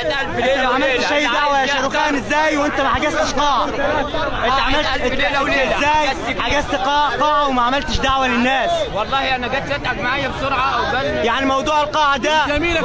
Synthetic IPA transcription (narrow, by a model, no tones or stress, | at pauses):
emʕamalʃajːd̪aʕwaʃɑɾuːxaːnɪzːæːjwʔɪnt̪æmaħaɡɪst̪ɪʃqɑːʕɑ | ʔɪʕamal | zːaːjħaɡɪst̪qɑːʕqɑːʕɑwɪmaʕamalt̪ɪʃd̪aʕwalɪnːaːswɑlˤːɑːhanaɡat̪ɪt̪ʕaɡmaʕajabsʊɾʕɑʔawajaʕnimɑwd̪ˤuːʕɪlqɑːʕɑd̪æmiː